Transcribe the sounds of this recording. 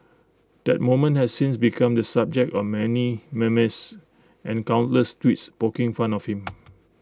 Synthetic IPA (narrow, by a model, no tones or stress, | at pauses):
d̥ɛt̚mõmə̃nhɛssĩnsbikʰãmdəsab̚d͡ʒɛk̚tɔfmɛnimɛməs | ʔɛ̃nkãw̃ntləstwitspokɪ̃ŋfãnɔfhĩm